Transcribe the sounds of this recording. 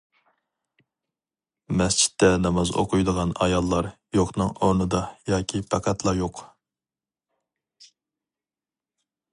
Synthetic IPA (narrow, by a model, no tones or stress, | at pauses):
mɛst͡ʃʰi̥t̪ʰːɛnɑmɑzo̰qʊjd̪əʁɑnɑ̰jɑlˠːɑɾ | joqnɨŋoɾnɨd̪ɑjɑːkʲʰipʰɛqʰæt̪lˠɑɾjoq